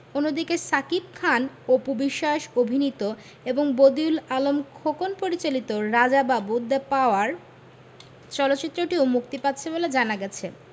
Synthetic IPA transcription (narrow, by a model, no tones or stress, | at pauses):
onːod̪ikesakipkʰan | opobiʃːaʃobʱinit̪o | eboŋbod̪iulalomkʰokonpoɾit͡ɕalit̪oɾad͡ʑababud̪apaoaɾ | t͡ɕɔlotːɕit̪ːɾoʈiomuk̚t̪ipatːɕʰeboled͡ʑanaɡɛt͡ɕʰe